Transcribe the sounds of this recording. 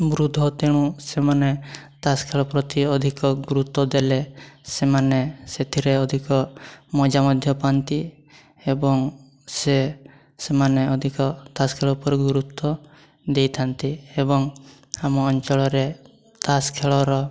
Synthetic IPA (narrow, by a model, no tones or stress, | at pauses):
bɾud̪ʱɔt̪eɽ̃ũsemane | t̪askʰeɭɔpɾɔt̪iɔd̪ʱikɔɡuɾut̪ːɔd̪elesemaneset̪ʰiɾeɔd̪ʱikɔmɔd͡ʒamɔd̪ʱjɔpant̪i | ebɔŋ | se | semaneɔd̪ʱikɔt̪askʰeɭɔpɔɾɡuɾut̪ːɔ | d̪ejt̪ʰant̪iebɔŋ | amɔːnt͡ʃɔɭɔɾe | t̪askʰeɭɔɾɔ